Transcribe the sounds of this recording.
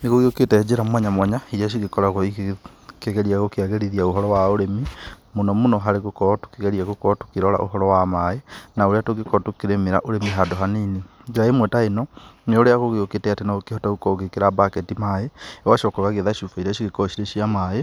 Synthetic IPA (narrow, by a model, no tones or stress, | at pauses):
neɣoɣeoketɛd͡ʒeɾamwɛɲamwaɲaiɾiaʃ̬iɣekɔɾaɣɔi | keɣɛɾiaɣokeaɣeɾiðiaoɦɔɾɔwaoɾemi | monɔmonɔɦaɾeɣokɔtu̥keɣeɾiaɣokɔtu̥keɾɔɾa̰ʔo̰ɦɔɾɔwamaenaoɾeatoɣekɔtokeɾemeɾa̰ʔoɾemiɦadoɦaniːnid͡ʒeɾaemwɛtaenɔneoɾeaɣoɣeoketɛatenaokehɔtaɣukɔɣekeɾabakɛtimaewaʃɔkɔɣaɣeðaʃufaiɾiaʃiɣekɔʃiɾeʃiamae